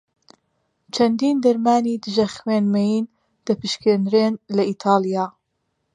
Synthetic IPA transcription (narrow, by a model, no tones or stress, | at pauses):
t͡ʃʰɐnd̪iːnd̪ɐɾmaːniːd̪ɨʒɐxweːnmɐjiːn | d̪̥ɐpɨʃkeːnɾeːnlɐiːt̪ʰaːlˠijaː